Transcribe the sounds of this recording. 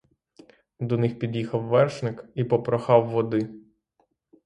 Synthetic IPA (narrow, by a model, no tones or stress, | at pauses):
d̪ɔnɪxpʲid̪ʲjixɐwːɛrʃnɪkipɔpɾɔxɑwːɔd̪ɪ